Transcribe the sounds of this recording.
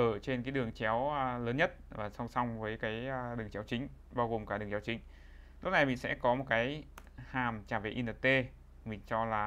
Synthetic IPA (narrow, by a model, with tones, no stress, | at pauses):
ʔəː˧˩t͡ɕe˧nkaː˨˦jɗɨ˨˩əŋt͡ɕɛ˨˦wləː˨˦nɲə˦˥t̚vaː˨˩sɔ˧wŋ͡msa˧wŋ͡mvəː˨˦jkaː˨˦jɗɨ˨˩əŋt͡ɕɛ˨˦wt͡ɕï˨˦ŋ̟ | ɓaː˧wɣo˨˩mkaː˧˩ɗɨ˨˩əŋt͡ɕaː˨˦wt͡ɕï˨˦ŋ̟ | lʊ˦˥k͡p̚na˨˩jmï˨sɛ̰˧˥kɔ˨˦mo˨˩t̚kaː˨˦jhaː˨˩mt͡ɕaː˧˩vḛ˨˩ʔi˧nəː˨˩t̪e˧ | mï˨˩ŋ̟t͡ɕɔ˧laː˨˩